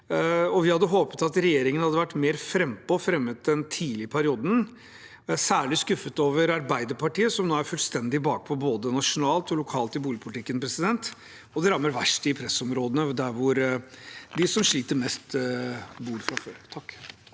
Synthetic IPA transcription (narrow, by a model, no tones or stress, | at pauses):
ɔʋɪhɑd̪ːəɦoːpə̥t̪ɑt̪ɾɛjeːɾɪŋənhɑd̪ːəʋæʈːmeːɾfɾɛmpɔfɾɛmːət̪̚d̪ɛnt̪ʰiːlɪəpʰæɾɪuːd̪n | sæːɭɪskʉfət̪oːʋəɾɑɾbæɪd̪əɾpɑʈiːəsɔmnoːæɾfʉlst̪ɛnd̪ɪbɑːk̚pʰɔboːd̪ənɑʂʊnɑːlt̪ɔlʊkʰɑːlt̪ɪbuːlɪəpʰʊlt̪ɪkːənpʰɾɛsɪd̪ɛnt̪ | ɔd̪ɛɾɑmːəɾʋæʂʈɪpʰɾɛsɔmɾoːd̪ənəd̪æɾʋʊɾ | d̪ɪsɔmʂɭiːt̪əɾmɛst̪ | buːɾfɾɑfø̰ːɾt̪ʰɑkː